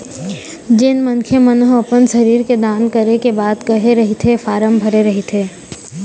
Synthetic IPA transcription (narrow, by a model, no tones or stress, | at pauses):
d͡ʒɪnmənkʰemənɦɐpənʃəɾiːɾked̪aːnkəɾekebaːd̪kɐɦeɾɐɦit̪ʰefaːɾəmbʱɐɾeɾɐɦet̪ʰeː